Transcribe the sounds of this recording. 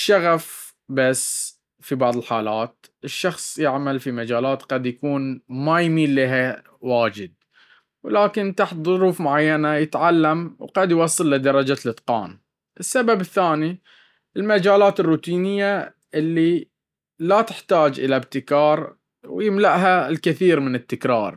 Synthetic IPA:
ʃaɣaf | basː | fibɑʕðˤəlħaːlaːt̪̚ | ɪʃːɑxsˤjɪʕmalfimad͡ʒaːlaːt̪qad̪jakuːnmajmiːlːiɦa | waːd͡ʒɪd̪̚ | wlaːkɪnt̪aħt̪ðˤʊɾuːfmʊʕajːanajɪt̪ʕalːamwqɑd̪jwɑsˤːɨlːɪd̪ɑɾˤɑd͡ʒalɨt̪qɑ̰ːn | ʔɪsːababɪθːaːni | ʔɪlmad͡ʒaːlaːt̪ɪrːuːt̪iːnɪjːa | ʔɪlːi | lat̪ɪ̥ħt̪aːd͡ʒʔɪ̰labt̪ɪkɑːɾˤ | wjɪmlaʔɦalkɪθiːɾmɪnɪt̪ːɪkɾˤɑːɾˤ

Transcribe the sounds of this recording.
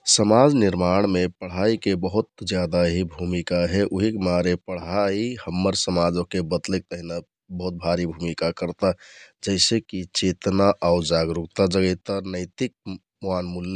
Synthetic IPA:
səmad͡ʒniɾmaɽ̃mepəɽ̤aikebəɦut̪̚d͡ʒjad̪aɦibʱumikaɦɛʔuɦikmaɾepəɽ̤aihəmːəɾsəmad͡ʒokebəd̪lek̚t̪əɦina | bəɦut̪̚bʱaɾibʱumikakəɾt̪ad͡ʒəɪsekit͡ʃet̪naʔaʊd͡ʒaɡɾuk̚t̪ad͡ʒəɡəɪt̪anəɪt̪ik̚ | muanmulː

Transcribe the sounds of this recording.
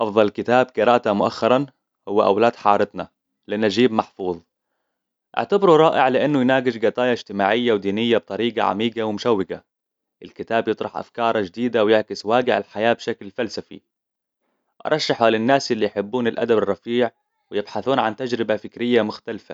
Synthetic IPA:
ʔɑfðˤɑlkɪt̪aːb̚qɨɾˤɑːʔt̪amʊʔaxːɑɾˤɑn | hʊwːaʔa̰wlaːd̪ħɑ̰ːɾˤɪt̪na̰ | lɪʔanːaʒiːbmɑħfuːðˤ | ʔɪ̰ʕt̪abɾuɾˤɑːʔɪʕlɪʔanːʊjnaːɡɪd͡ʒɡɑt̪ˤɑːjɑɪd͡ʒt̪ɪmaːʕɪjːawd̪iːnɪjːab̚t̪ˤɑɾiːɡɑ̰ʕa̰miːɡawɪmʊʃawːɪɡa̰ | ʔɪlkɪt̪aːbjɨt̪ˤɾˤɑħʔa̰fkɑːɾˤɑd͡ʒd̪iːd̪awjɪʕkɪswaːɡɪʕa̰lħajaːbʃaklfalsafḭ | ʔɑ̰ɾˤɑʃːɑħalɪnːaːsʔɪlːijħɪbːuːnɪlʔa̰d̪abɪrˤːɑfiːʕ | wɪjɪbħaθuːnʕant̪ad͡ʒɾɪbafɪkɾɪjːamʊxt̪alfa̰

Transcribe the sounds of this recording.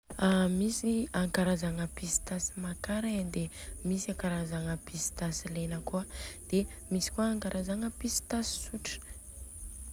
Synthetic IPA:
amisiaŋkaɾazaŋəpisi̥t̪asi̥makaɾaad̪emisiaŋkaɾazaŋəpisi̥t̪asilenəkuad̪̥emisi̥kuaːŋkaɾʔazaŋəpisi̥t̪asi̥suʈ͡ʂə̥

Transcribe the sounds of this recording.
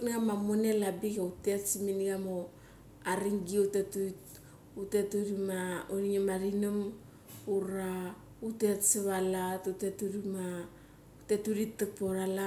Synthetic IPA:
nɡamamunelabikeutetsiminɡamo | aɾiŋɡiutetut | utetuɾimaoɾiɲemaɾinom | uɾa | utetseβalatutetuɾima | utetuɾitːepoɾala

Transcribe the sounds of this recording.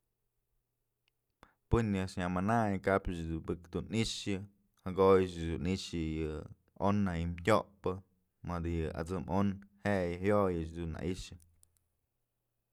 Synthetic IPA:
pɨnːɨʂɲamanajkapɨt͡ʃd̪ubɨkd̪uniʂjɨ | haɡojɨt͡ʃd̪uniʂɨjɨ | onːajɨmtʲoʔpɨ | mad̪ɨjɨʔa̰d͡zɨmonheʔjɨhjojɨt͡ʃd̪unːa̰ʔiʂɨ

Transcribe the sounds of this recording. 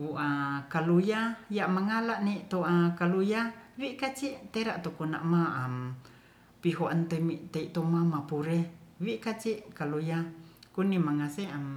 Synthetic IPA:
uʔakalujajamaŋalaʔneiʔt̪oakalujawikat͡ʃiʔt̪eɾaʔt̪okuna̰ʔmaam | piɦoʔant̪emiʔt̪eiʔt̪omamapuɾewikat͡ʃiʔkalujakunimaŋaseam

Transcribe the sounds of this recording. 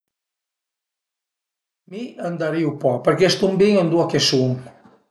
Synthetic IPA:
miand̪aɾiupɔpəɾkest̪umbiŋand̪uakesuŋ

